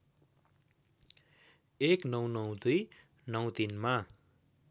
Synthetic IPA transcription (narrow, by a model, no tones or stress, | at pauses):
eknʌwnʌwd̪uj | nʌw̃t̪inma